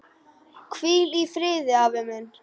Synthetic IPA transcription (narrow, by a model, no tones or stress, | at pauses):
kʰviːlifɾeːðɪaːvemɛn